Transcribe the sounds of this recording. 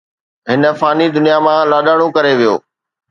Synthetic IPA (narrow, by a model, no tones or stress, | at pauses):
ɦɪnə̆faːnid̪ʊnijamãlaːɗaːɽ̃õkɐɾeʋijo̰ː